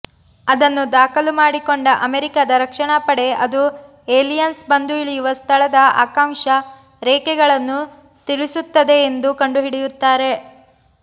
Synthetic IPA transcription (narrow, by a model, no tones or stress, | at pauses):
ɐd̪ɐnːud̪aːkʰɐlumaːɽiko̞ɳɖɐʔɐmeɾikad̪ɐɾɐkʂɐɳapɐɽe̞ɐd̪u | eːlijɐnsbɐnd̪uiɭijuʋɐst̪ʰɐɭɐd̪ɐa̰ːkaːŋʃɐ | ɾɛːkɛɡɐɭɐnːu | t̪iɭisut̪ːɐd̪e̞ːnd̪ukɐɳɖuɦiɽijut̪ːaːɾe̞